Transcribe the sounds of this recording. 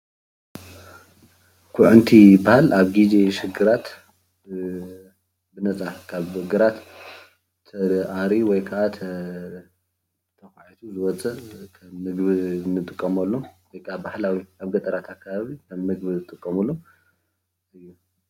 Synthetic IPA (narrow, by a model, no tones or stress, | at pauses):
kʰʊʕʊnt̪ʰibahalʔaβɡid͡ʒeʃɨɡɨɾat̪ | bɨnɐt͡sʼakʰaβɡɨɾat̪ʰ | ɐʔaɾiwɔjkʰaʔat̪ʰɐ | t̪ʰɐxaʕit̪ʰuzɨwɔt͡sʼɐkʰɐmːɨɡβɨnɨt̪ʼɨkʼːɐmɐlːowɔjkʰabahlawiaβɡɐt̪ʼɐɾat̪ʰakʰːaβaβikʰɐmːɨɡbɨzɨt̪ʼɨkʼːɐmulːo | ɨjːu